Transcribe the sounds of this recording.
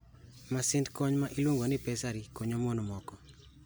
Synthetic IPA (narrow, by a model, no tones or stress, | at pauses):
masɪndkɔɲmaʔilwoŋɡonɪpɛsaɾikoɲomonmɔkɔ